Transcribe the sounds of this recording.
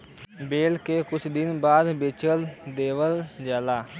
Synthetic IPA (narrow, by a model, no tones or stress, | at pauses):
beːlkeːkʊt͡ʃʰd̪ɪnbaːd̪bɪt͡ʃəld̪eːʋəld͡ʒaːlaː